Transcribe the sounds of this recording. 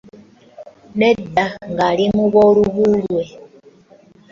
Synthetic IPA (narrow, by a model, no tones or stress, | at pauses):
nedaŋɡalimuβoluβulwe